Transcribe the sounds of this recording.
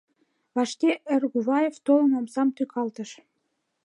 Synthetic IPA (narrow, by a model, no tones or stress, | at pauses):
βɑʃkeʔə̆rɣuβɑjeft̪olə̆mɑmsɑmt̪ykʰɑlt̪ə̆ʃ